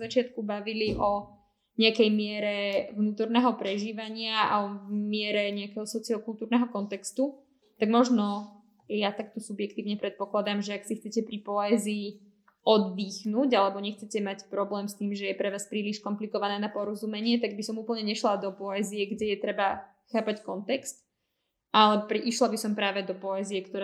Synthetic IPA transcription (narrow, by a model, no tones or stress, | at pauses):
zat͡ʃɪat̪kubaʋiliʔɔ | ɲɛakɛjmɪɛɾɛʋnuːt̪ɔɾnɛːɦɔpɾɛʒiːʋaɲɪaʔa̰ɔmɪɛɾɛɲɛakɛɦɔsɔt͡siɔkulˠt̪uːɾnɛɦɔkɔnt̪ɛkst̪u | t̪aɡmɔʒnɔ | jat̪ak̚t̪ɔsubjɛkt̪iːʊɲɛpɾɛt̪̚pɔklad̪amʒɛaksixt͡sɛcɛpɾipɔɛziː | ɔd̪ːiːxnuːɟalɛbɔɲɛxt͡sɛcɛmacpɾɔblɛːmst̪iːmʒɛjɛpɾɛʋaːspɾiːliʃkɔmplikɔʋanɛːnapɔɾɔzumɛɲɪɛt̪aɡ̚bisɔmuːpl̩ˠɲɛɲɛʃlad̪ɔpɔɛːzijɛɡɟɛjɛt̪ɾɛba | xaːpackɔnt̪ɛkst̪ | ʔalɛpɾiʔiʃlabisɔmpɾaːʋɛd̪ɔpɔɛːzijɛkt̪ɔɾɛ